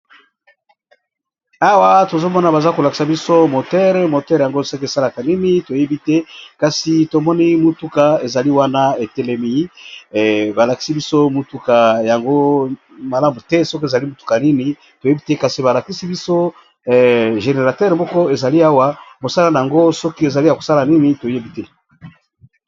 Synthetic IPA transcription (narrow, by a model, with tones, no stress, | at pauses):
a˦wa˦to˨zo˦mɔ˦na˨ba˨za˦ko˨la˨ki̥˨sa˨bi˦so˦mo˨tɛ˦ʁmo˨tɛ˦ʁja˨ŋɡo˦˨se˦ksa˦la˨ka˨ni˦ni˦to˨je˦bi˦tɛ˦ka˨si˨to˨mɔ˦ni˦mu˨tu˦ka˨e˨za˨li˦wa˦na˦e˨tɛ˦le˦mi˨˦˨ | ba˨la˨ki̥˨˦si˦bi˦so˦mu˨tu˦ka˨ja˨ŋɡo˦ | ma˨la˦mu˨tɛ˦so˦ki˦e˨za˨li˦mo˨tu̥˨ka˨ni˦ni˨ | to˨je˦bi˦tɛ˦ka˨si˨ba˨la˨ki˦si˦bi˦so˦˨ | ʒe˨ne˨ʁa˨tɛ˦ʁmɔ˦kɔ˦e˨za˨li˦a˦wa˦bo˨sa˦la˦na˨a˨ŋɡo˦sɔ˦ki˦e˨za˨li˦ja˨ko˨sa˦la˨ni˦ni˦to˨je˦bi˦tɛ˦